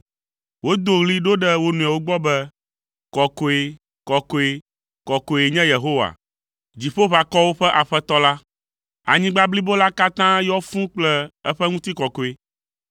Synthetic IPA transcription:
wo˦d̪o˨ɣli˦ɖo˦ɖɛ˦wo˦nũ˨a˨wo˦ɡ͡bɔ˦bɛ˦ | kɔ˨ko˨e˨ | kɔ˨ko˨e˨ | kɔ˨ko˨e˨ɲɛ̃˦je˨ɦo˦wa̰˨ | d͡ʑi˨ɸo˦βa˨kɔ˦wo˦ɸɛ˦ʔa˨ɸɛ˦t̪ɔ˦la˦ | a̰˨ɲĩ˦ɡ͡ba˦bli˦bo˦la˦ka˦t̪ã˦jɔ˦fũ˦k͡plɛ˦ɛ˦ɸɛ˦ŋũ˦t̪i˦kɔ˨ko˨e˨

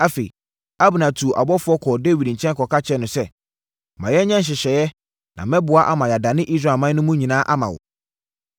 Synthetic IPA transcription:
a˦fe˨i˨ | a˦bʊ˨nã˨tʰu˨ʔa̰˨bɔ˦fʊ˦ɔ˦kʰɔ˨de˦wi˨dɲ̩˨t͡ɕʰɛ̃˦n˦kʰɔ˨kʰa˦t͡ɕʰɛ˦nʊ̃˨sɛ˦ | mã˨jɛ˦ɲã˦n˦ɕ̬ɪ˨ɕɛ˨jɛ˦ | nʔã̰˨mɛ̃˦bʊ˨a˦ʔa̰˦mã˨ja˨da˨nɪ̃˦ʔi˦s̬ɾa˨mã˦n˦ʊ̃˦mũ˦ɲĩ˨nã˦ʔa˦mã˨wʊ̰˨

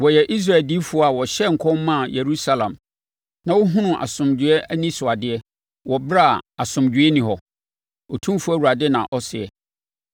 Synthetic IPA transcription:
wɔ˨jɛ˨ʔi˦s̬ɾa˦˨ɛ˨ldi˦fʊ˨˦ɔ˦a˨wɔ˨ɕɛ˦ŋ̩˨kʰɔ˦mã˦˨je˨ɾu˦sa˦lã̰˨m | nã˦wʊ˦ɦʊ̃˦nʊ̃˨ʔa̰˨sʊ̃˨md͡ʑɪ˨ɛ˦ʔæ˦nĩ˦sʊ˨a˨dɪ˦ɛ˦ | wɔ˨bɾa˦˨a˨sʊ̃˨md͡ʑᶣɥɛ˦nĩ˨ɦɔ˨ | ɔ˨tʰũ˦fu˦æ˨wu˨ɾa˨dɪ˦nã̰˨ʔɔ˦sɪ˨ɛ˨

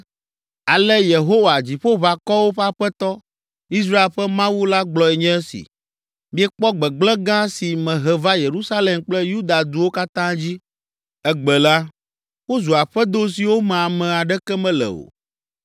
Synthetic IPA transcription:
a˨lɛ˦je˨ɦo˦wa˨d͡ʑi˨ɸo˦βa˨kɔ˦wo˦ɸa˦ɸɛ˦t̪ɔ˦ | i˦s̬ɾa˦e˨lɸɛ˦mã˦wu˦la˦ɡ͡blɔ˨ɛ˨ɲɛ̃˦ɛ˦sḭ˨ | mĩ˦ɛ˦k͡pɔ˦ɡ͡bɛ˨ɡ͡blɛ̃˦ɡã˦si˨mɛ̃˨ɦɛ˨va˦je˨ɾu˦sa˦le˦˨mk͡plɛ˦ju˦d̪a˨d̪u˨wo˦ka˦t̪ã˦d͡ʑi˦ | ɛ˦ɡ͡bɛ˨la˦ | wo˦zu˨a˨ɸɛ˦d̪o˦s̬i˨wo˦mɛ̃˨a˨mɛ̃˨a˨ɖɛ˦kɛ˦mɛ̃˦lɛ̰˨o̰˨

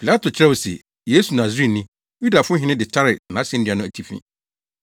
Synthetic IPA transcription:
pʰi˨la˦tʰʊ˨t͡ɕʰɪɾɛ˦wɔ˨sɛ̰˨ | je˦su˨nã˨zĩ˦˨nĩ˦ | ju˦da˨fʊ˦ɦɪ̃˦nɪ̃˦dɪ˨t͡ɕʰa˦ɾɪ˨nã˨˦sɛ̃˦n̩˦i˨a˨nʊ̃˦æ˨tʰi˨fḭ̃˦

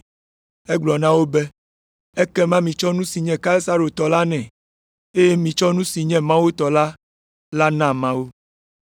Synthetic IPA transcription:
ɛ˦ɡ͡blɔ˨nã˦wo˦bɛ˦ | ɛ˦kɛ˦mã˦mĩ˨t͡ʃɔ˦nũ˦si˨ɲɛ̃˨ka˦e˦sa˦ɾo˨t̪ɔ˨la˦nɛ̃˨ | e˦je˦mĩ˨t͡ʃɔ˦nũ˦si˨ɲɛ̃˦mã˦wu˦t̪ɔ˨la˦ | la˦nã˦˨mã˦wu˦

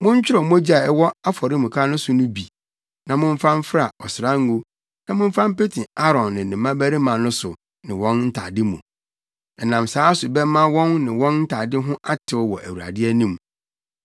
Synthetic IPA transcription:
mʊ̃˦ɲ˦t͡ɕᶣɪ˦ɾɔ˨mʊ̃˦d͡ʑa˨ɛ˦wɔ˦a˦fɔ˨ɾɪ˦mũ˨kʰa˦nʊ̃˦sʊ˨nʊ̃˦bi˨ | nã˨mʊ̃˦ɱ˦fã˦m˦fɾa˨ɔ˨sɪ˨ɾã˦ŋ˦ɡu˦ | nã˨mʊ̃˦m˦fã˦m˦pe˦tʰĩ˨a˦ɾɔ̃˨nːɪ̃˨nɪ̃˨mã˦bæ˦ɾi˦mã˨nʊ̃˦sʊ˨ | nɪ̃˨wɔ̃˦nn̩˦tʰa̰˨dɪ˦mũ˨ | ɛ˨nã˨msaː˨˦sʊ˨bɛ˦mã˦wɔ̃˦nːɪ̃˨wɔ̃˦nn̩˦tʰa˨dɪ˦ɦʊ̃˦ʔa˦tʰɪ˨˦ɔ˦wɔ˨ʔæ̰˨wu˨ɾa̰˨dɪ˦ɛ˦nĩ˦m

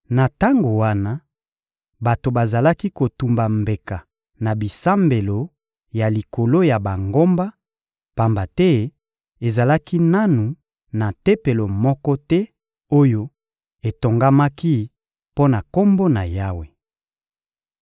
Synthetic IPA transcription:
na˨ta˦ŋɡo˨wa˦na˦ | ba˨to˨ba˨za˨la˦ki˦ko˨tu˨mba˨mbe˨ka˨ | na˨bi˨sa˦mbe˨lo˨ | ja˨li˨ko˨lo˦ja˨ba˨ŋɡo˦mba˦ | pa˨mba˨tɛ˦ | e˨za˨la˦ki˦na˦nu˨ | na˨te˦pe˨lo˨mɔ˦kɔ˦tɛ˦ | o˦jo˦ | e˨to˨ŋɡa˦ma˦ki˦ | po˦na˨ko˦mbo˦na˨ja˦we˨

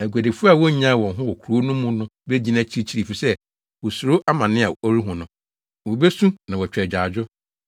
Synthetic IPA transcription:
æ˨ɡʷæ˨de˨fu˦a˨wɔ˦ɲã˦˨wɔ̃˨ɦʊ̃˦wɔ˨kʰɾo˦nʊ̃˦mũ˦nʊ̃˦be˦d͡ʑi˦nã˦˨t͡ɕʰi˨ɾi˦t͡ɕʰi˦ɾi˨fi˨sɛ˦ | wɔ˨su˨ɾo˦ʔa˦mã˨nɪ̃˦a˨o˦ɾi˦ɦʊ̃˨nʊ̃˨ | wo˨be˦sũ˦nã˨wɔ˨t͡ɕᶣɾɛ˨d͡ʑᶣa˨d͡ʑᶣʊ˦

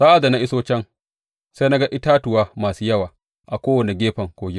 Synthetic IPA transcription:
saː˦ʔa˨da˨na˦˨ʔɪ˦soː˦t͡ʃɛ˦ŋ | se˦na˦ɡa˦ʔɪ˦taː˦tʊ˨waː˦maː˨suː˦jɐ˦waː˨ | ʔa˨kʷoː˦wɐ˨ni˨ɡʲeː˦ɸɐ˨ŋkʷoː˨˦ɡʲɪ˦

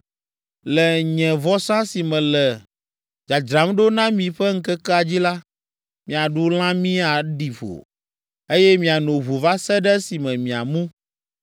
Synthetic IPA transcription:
lɛ˨ɲɛ̃˨vɔ˦sã˦si˨mɛ̃˨lɛ˨ | d͡ʒa˨d͡ʒɾa˨˦mɖo˦nã˦mĩ˨ɸɛ˦ŋ̩˦kɛ˦kɛ˦a˨d͡ʑi˦la˦ | mĩ˨a˨ɖu˦l̃ã˦mĩ˦a˨ɖi˨ɸo̰˨ | e˦jɛ˦mĩ˨a˨nõ˨βu˨va˦sɛ˦ɖɛ˦si˨mɛ̃˨mĩ˨a̰˨mũ˦

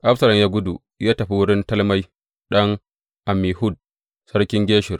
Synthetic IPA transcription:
ʔa˦ɸsɐ˨lɐ˨mjaː˦ɡʷʊ˦du˨ | jaː˦tɐ˨ɸi˦wʊ˦ɽɪ˦ntɐ˦lma˦j | ɗɐ˦ŋ | ʔa˨miː˨hʊ˦˨d̚ | sɐ˦rkʲɪ˦ŋɡʲeː˦ʃɪ˨r

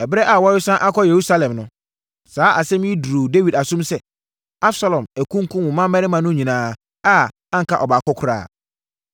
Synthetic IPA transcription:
ɛ˨bɪ˦ɾɛ˦ʔa˨wɔ˦ɪ˦sã˦ʔa˦kʰɔ˦je˨ɾu˦sa˦lɛ̃˨mnʊ̃˦ | saː˨˦ʔa˨sɛ̃˦m˦i˦du˨ɾu˨de˦wi˨da˨sʊ̃˦msɛ˦ | a˦bsa˦lɔ̃˨mæ˨kʰũ˦ŋ˦kʰʊ̃˦wʊ̃˨mã˦ɛ˦ɾɪ˦mã˨nʊ̃˦ɲĩ˨nãː˨˦ | a˦ | ã˦ŋ̩˨kʰa˦ʔɔ˨ba˨kɔ˦kʰʊ˦ɾa̰ː˦˨

